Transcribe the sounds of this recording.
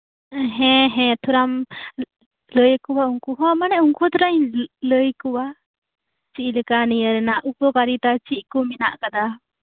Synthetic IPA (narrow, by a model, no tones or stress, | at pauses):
ɦɛ̃ɦɛ̃t̪ʰuɾam | ləjkuwauŋkuɦɔmanɛʔuŋkut̪ɔɾaɲləjkuwa | t͡ʃiʔˀləkanijəɾɛnaʔukɔkaɾit̪at͡ʃiʔkɔminaʔkad̪a